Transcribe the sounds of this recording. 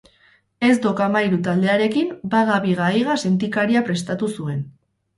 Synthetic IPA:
e̞zd̪o̞kamajɾut̪ald̪e̞aɾe̞kimbaɣaβiɣajɣase̞nt̪ikaɾiapɾe̞st̪at̪usue̞n

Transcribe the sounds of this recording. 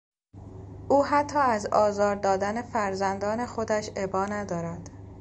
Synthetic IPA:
ʔuːhæt̪ʰːɒːæzɒːzɒːɾd̪ɒːd̪æne̞fæɾzænd̪ɒːne̞xo̞d̪æʃe̞bɒːnæd̪ɒːɾæd̪̥

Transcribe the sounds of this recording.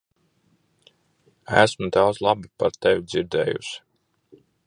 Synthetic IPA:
æsmud̪awd̪zlˠɑbipaɾt̪ɛvʲid̪ziɾd̪ɛːjṵs

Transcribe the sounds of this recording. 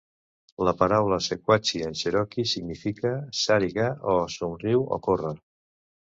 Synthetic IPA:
lapaɾawlasekwat͡ʃienʃeɾɔkisiɡnifikasaɾiɣaosunriwɔ̰kora

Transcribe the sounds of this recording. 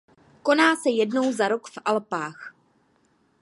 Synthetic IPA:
ko̞naːsɛjɛdno̞wzaɾo̞kfʔalpaːx

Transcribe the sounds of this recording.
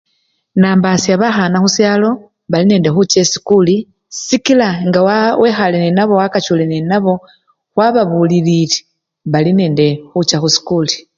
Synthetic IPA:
naːmbasjaβaxanaxusjaːlo̞ | βaline̞ːnde̞xut͡ʃesi̥kuli | sikilaŋɡawawexale̞ninaβo̞wakat͡ʃuleninaβo̞ | xwaβaβulilile̥ | βaline̞ːnde̞xut͡ʃaxusi̥kuli

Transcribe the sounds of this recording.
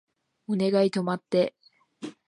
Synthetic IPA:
one̞ɡait̪o̞mat̪ːe̞

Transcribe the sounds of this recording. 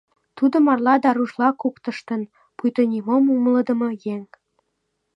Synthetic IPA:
t̪ud̪ɤ̆mɑrlˠɑd̪ɑɾuʒlˠɑkukt̪ɤ̆ʃt̪ɤ̆n | pujt̪onʲimomumlɤ̆d̪ə̆mɤ̆jeŋ

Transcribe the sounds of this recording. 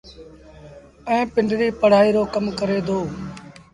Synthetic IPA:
ɛ̃ːpɪɳɖɾiːpəɽ̤aːiːɾoːkəmkəɾeːd̪oː

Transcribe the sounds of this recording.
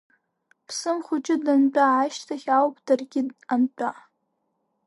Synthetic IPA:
pʰsɨmχʷʊd͡ʒʼɪdant͡pʼaʕaʃtʰaχʲawpʰʼdarɡʲɪdant͡pʷʼa

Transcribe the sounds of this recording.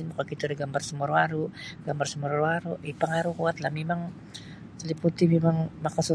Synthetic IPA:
ɪnmakakit̪uɾiɡambarsəmɔɾwaɾuɡambarsəməɾrwaɾuipəŋaɾukuat̪lamemaŋ | t̪əliput̪imemaŋmakasu

